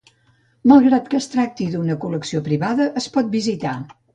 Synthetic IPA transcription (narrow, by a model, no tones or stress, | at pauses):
malˠɣɾat̪kəst̪ɾak̚t̪iðunəkuləksiopɾiβaðəʔəspɔt̪̚bizit̪a